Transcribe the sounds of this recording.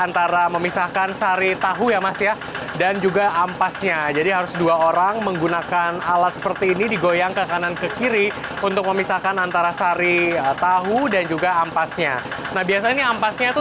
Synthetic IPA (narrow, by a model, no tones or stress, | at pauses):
ant̪aɾaməmisahkansaɾit̪aɦujamasja | dand͡ʒuɡaːmpasɲad͡ʒadiɦaɾʊsduaoɾaŋməŋɡunakanalat̪̚sə̥pərt̪iːnidiɡojaŋkəkanankəkiɾi | unt̪ʊk̚məmisahkanant̪aɾasaɾit̪aɦudand͡ʒuɡaːmpasɲanahbiasainiampasɲat̪u